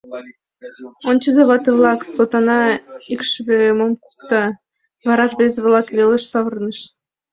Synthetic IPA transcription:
onʲt͡ɕəzeβɑt̪əβlˠɑksot̪ɑnɑikʃβøməmku̥kt̪ɑ | βɑɾɑʃβezeβlˠɑkβelʲeʃsɑβərnəʃ

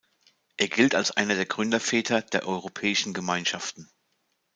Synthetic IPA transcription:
ʔeːɐɡɪltalsʔa̰ɪnɐdeːɐɡʁʏndɐfɛːtʰɐd̥eːɐʔɔʏʁ̞opʰɛːɪʃn̩ɡəmaɪnʃaftn̩

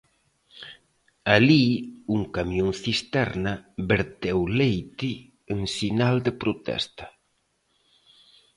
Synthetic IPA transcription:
aliuŋkamjoŋθist̪ɛɾnabeɾt̪ɛwlejt̪iː | ŋsinald̪epɾot̪ɛ̰st̪ḁ

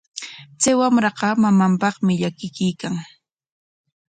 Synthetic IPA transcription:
t͡sajwamɾɑqɑmamampɑχmɪʎakɪkɪjkaŋ

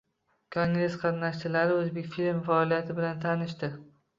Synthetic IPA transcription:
kʰoŋɡɾe̞sqʰɑt̪naʃt̪ɪlaɾɪɵzbe̞kʲfilmfaɒlˠijat̪ʰɪbɪlant̪ʰanɪʃt̪ɪ

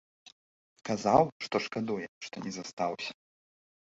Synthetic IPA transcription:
kazawʂt̪ɔʂkad̪ujɛʂt̪ɔnʲɛzast̪awsʲɐ̥

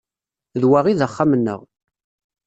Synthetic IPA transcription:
ðwaʁiðəχːamənːə̰ʁ

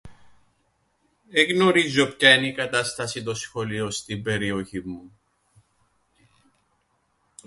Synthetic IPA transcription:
eɣno̞ɾizo̞pçɐenikɐt̪ɐst̪ɐsit̪o̞sxo̞lio̞st̪ibe̞ɾio̞çimu

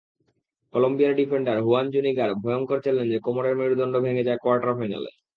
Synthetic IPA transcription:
kolombijaɾɖifeɳɖaɾɦuand͡ʑuniɡaɾbʱɔjoŋkoɾt͡ɕʰelend͡ʑekɔmoɾeɾmiɾud̪ɔɳɖobʱeŋed͡ʑaekoaɾʈaɾfaena̰lḛ

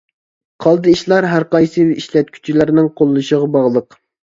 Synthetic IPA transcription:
qʰɑlˠd̪ɨiʃlˠɑɾɦæɾqɑjsɨiʃlɛt̪̚kʲʰy̥t͡ʃʰilæɾnɪŋqʰolˠːuʃəʁɑbɑʁlˠəq

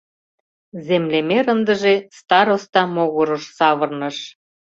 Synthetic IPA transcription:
zemlemeɾənd̪ə̆ʒest̪ɑɾost̪ɑmoɣŏɾə̆ʃsɑβə̆rnɤ̆ʃ

